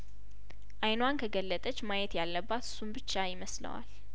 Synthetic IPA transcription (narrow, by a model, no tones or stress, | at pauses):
ʔajnwankʰəɡəlːət̪ʼət͡ʃːmajɛt̪jalːəbːat̪ɨ̥sːumbɨt͡ʃːajɪməslə̰wa̰l